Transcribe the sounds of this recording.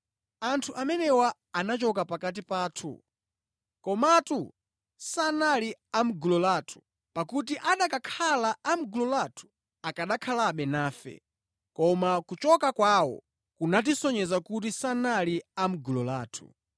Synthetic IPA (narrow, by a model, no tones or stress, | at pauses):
antʰuʔamɛnɛwaː | nat͡ʃɔkapakat̬ipaːtʰṵ | kɔmatu | sanaliam̩ɡulɔlaːtʰu̥ | pakut̬iʔaɗakakʰalaːm̩ɡulɔlatʰu̥ | akaɗakʰalaɓɛnaːfɛ̰ | kɔmakut͡ʃɔkakwawɔ̰ | kunat̬isɔɲɛzakut̬isanaliam̩ɡulɔla̰ːtʰu̥̰